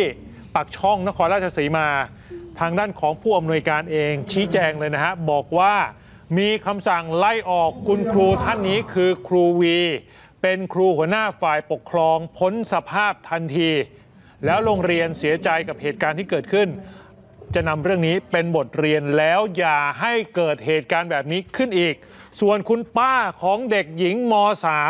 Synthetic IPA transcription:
pa˨˩k̚t͡ɕʰɔ˥˩ŋna˦˥kʰɔː˧nɾaː˥˩t͡ɕa˧siː˩˦maː˧ | t̪ʰaː˧ŋdaː˥˩nkʰɔː˩˦ŋpʰuː˥˩ʔa˧mnu˧əjkaː˧nʔeː˧ŋt͡ɕʰiː˦˥t͡ɕɛː˧ŋlɤː˧jna˦˥kʰa˦˥bɔː˨˩k̚waː˥˩ | miː˧kʰa˧msa˨˩ŋla˧˩jʔɔː˨˩kʰːu˧nkʰɾuː˧t̪ʰa˥˩nːiː˦˥kʰɯː˧kʰɾuː˧wiː˧ | pe˧nkʰɾuː˧hu˩˦ɐnaː˥˩faː˨˩jpo˨˩kʰːɾɔː˧ŋpʰo˦˥nsa˧pʰaː˥˩p̚t̪ʰa˧nt̪ʰiː˧ | lɛː˦˥wɾoː˧ŋɾi˧ənsi˩˦ɐt͡ɕa˧jka˨˩p̚heː˨˩t̪̚kaː˧nt̪ʰiː˥˩kɤː˨˩t̪̚kʰɯ˥˩n | t͡ɕa˨˩ʔna˧mɾɯ˥˩əŋniː˦˥pe˧nbo˨˩t̪̚ɾi˧ənlɛː˦˥wjaː˨˩ɦa˥˩jkɤː˨˩t̪̚heː˨˩t̪̚kaː˧nbɛː˨˩p̚niː˦˥kʰɯ˥˩nʔiː˨˩k̚su˨˩ənkʰu˧npaː˥˩kʰɔː˩˦ŋde˨˩k̚ji˨˩˦ŋmɔː˧saː˨˩˦

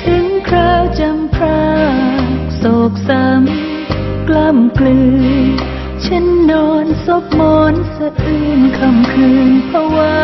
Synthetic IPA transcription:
t̪ʰɯ˨˦ŋkʰɾaː˧˥˩wt͡ɕa˧mpʰɾaː˥˧˥k̚sɔː˨˩k̚sa˧˦m | kla˧˩mklɯː˧ | t͡ɕʰa˧˥nːɔː˧nso˧˥p̚mɔː˨˦nsa˧ɯː˧˩nkʰa˧˩mkʰɯː˧npʰɔ˧waː˧

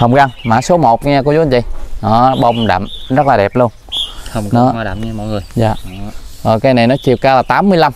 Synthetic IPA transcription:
hə˨˩wŋ͡mkaː˧ŋma̰ː˧˩so˨˦mo˨˩t̚ɲɛ˧ku˨˦zu˨˦nzḭ˧˩˦jnɔ˨˦ɓə˧wŋ͡mɗa̰ː˧˩mzə˦˥t̚laː˨˩ɛ˨˩p̚lu˧ənhə˨wŋ͡mknɔ˨˦˧ɗa̰ː˧˨˩mɲa˧mɔ̰˧˨jŋɨ˨˩əjza̰ː˨ʔəː˨˩kaː˨˦jna˨˩jnɔ˨˦t͡ɕḭ˨əwkaː˧laː˨˩t̪aː˨˦mːɨ˧əjla˧m

